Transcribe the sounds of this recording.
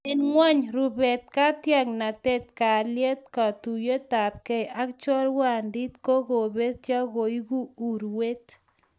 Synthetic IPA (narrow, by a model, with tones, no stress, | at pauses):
e˨nŋwa˦ɲɾu˨be˨t̪̚ka˦t̪ja˦ŋna˨t̪e˦t̪̚ka˨lje˦t̪̚ka˨t̪u˨je˦t̪a˨p̚ke˦ja˦kt͡ʃɔ˦ɾwa˨ndi˦t̪ko˦ɣo˨βe˦t̪ja˦ɣo˨jɣu˦u˨ɾwe˦t̪